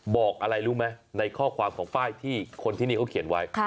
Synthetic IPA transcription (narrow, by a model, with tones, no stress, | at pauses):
bɔː˨˩k̚ʔa˧ɾa˧jɾuː˦˥ma˦˥jna˧jkʰɔː˥˩kʰwaː˧mkʰɔː˩˦ŋfaː˥˩jt̪ʰiː˥˩kʰo˧nt̪iː˥˩niː˥˩kʰa˥wkʰi˩˦ənwa˦˥jʰ